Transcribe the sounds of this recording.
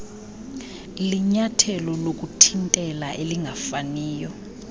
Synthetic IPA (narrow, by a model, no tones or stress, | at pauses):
liɲatʰɛlɔlok̬ʼutʰintʼɛlaʔeliŋɡʱafaniːjɔ